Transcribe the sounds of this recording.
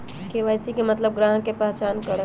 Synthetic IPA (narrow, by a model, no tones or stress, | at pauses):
keʋajsikemət̪ləb̚ɡɾãːɦkepaɦt͡ʃaːnkəɽ